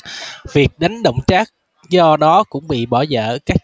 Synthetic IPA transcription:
vi˨˩ək̚ɗa˨˦jŋ̟ɗə̰˧˨wŋ͡mt͡ɕaː˦˥k̚ | zɔ˧ɗɔ˨˦kʊ̰˧˥ŋ͡mɓḭ˧˨ɓɔ˧˩zə̰ː˧˨kaː˦˥k̚

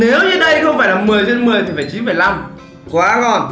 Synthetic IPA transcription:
ne˨˦wɲɨ˧ɗə˧jxə˧wŋ͡mfaː˧˩jlaː˨˩mɨ˨˩əjt͡ɕe˧nmɨ˨˩əjt̪i˨˩faː˧˩t͡ɕi˨˦fəː˨˧˩jla˧m | kwaː˨˦ŋɔ˧˩n

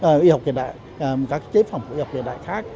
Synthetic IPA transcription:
ʔːwi˧ha˨˩wk͡p̚tḭ˨əɗa̰ː˧˨j | kaː˦˥kːt͡ɕe˨˦fə˨˩wŋ͡mku˧˩˨i˧˨˩k͡p̚t̪i˨˩ɗa̰ː˧˨jxaː˦˥k̚

